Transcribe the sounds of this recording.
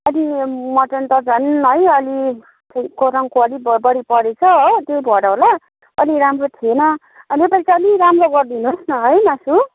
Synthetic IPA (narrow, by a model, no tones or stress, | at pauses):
ʌlimʌʈʌnt̪ʌd͡zʱʌnɦʌjʌli | t̪ʌjkoɾʌŋkoʌɽibbʌɽipʌɽet͡sʰʌɦot̪ebʱʌɽawla | ʌliɾamrot̪ʰienʌ | ʌnepalit͡saʌliɾamroɡʌrd̪inosnʌɦʌjmasu